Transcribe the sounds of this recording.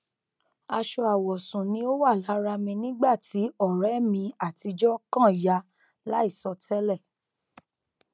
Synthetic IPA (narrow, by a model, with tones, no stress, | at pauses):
a˧ʃɔ˧a˨wɔ˨sũ˨nĩ˦o˦wa˦˨la˨˦ɾa˧mĩ˧nĩ˦ɡ͡ba˦˨ti˨˦ɔ˦˨ɾɛ˨˦mĩ˧a˦˨ti˧d͡ʒɔ˦kã˦˨ja˧ | la˦i˦˨sɔ˧tʰɛ˦lɛ˦˨